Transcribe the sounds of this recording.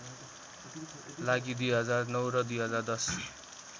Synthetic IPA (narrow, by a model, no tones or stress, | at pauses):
laɡid̪ujɦʌd͡zarnʌwɾʌd̪ujɦʌd͡zard̪ʌs